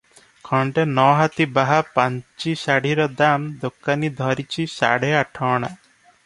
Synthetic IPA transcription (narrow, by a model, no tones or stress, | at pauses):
kʰɔɳʈenɔɦat̪ibaɦapaɲt͡ʃisaɽ̤iɾɔd̪amd̪okːanid̪ʱɔɾit͡ʃʰisa̰ɽ̤eaʈʰɔːɽ̃a̰